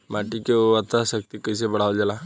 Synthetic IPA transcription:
maːʈikeoat̪aʃək̚t̪ikəis̬ebəɽ̤aːld͡ʒala

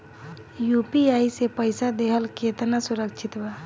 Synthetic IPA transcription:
jupiaːisepəɪsad̪eɦəlket̪nasʊɾəkt͡ʃʰɪt̪ba

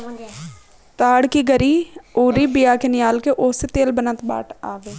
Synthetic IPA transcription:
t̪aːɽkiɡəɾiːoːɾiːbɪjaːkenɪjaːlkeʔoːset̪eːlbənət̪ba̰ːʈʰaːʋeː

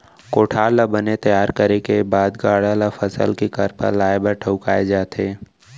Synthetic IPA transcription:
koːʈʰaːlabənet̪ɐjaːɾkəɾekebaːd̪ɡaːɽalafʰəsə̰lkikəɾpə̰laːebəɾʈʰəʊkaːed͡ʒaːt̪eː

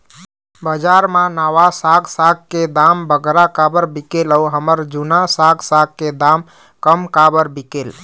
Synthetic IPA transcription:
bəd͡ʒaɾmãnaʋasaɡsaɡked̪ambəɡɾakabəɾbikeləuɦəməɾd͡ʒunasaɡsaɡ̚ked̪am | kəmkabəɾbikel

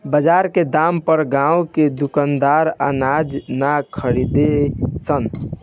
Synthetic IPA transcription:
bəd͡ʒaɾked̪ampəɾɡãuked̪ukənd̪aɾə̰nad͡ʒnakʰəɾid̪esən

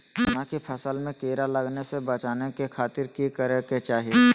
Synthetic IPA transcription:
ɦɐnaːkipʰɐsəlmẽkeːɾalɐɡnesebɐt͡ʃaːnekekʰaːt̪ɪɾkikəɾeket͡ʃaːɦije

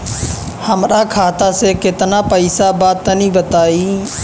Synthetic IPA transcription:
həmɾaːkʰaːt̪aːseːkɪt̪naːpəɪsabaːd̪̚ənĩːbət̪aːiː

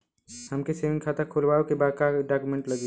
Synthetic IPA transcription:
həmkeseʋɪ̃ŋɡkʰaːt̪akʰulʋaːokebaːd̪kaɖakjumẽɳʈləɡe

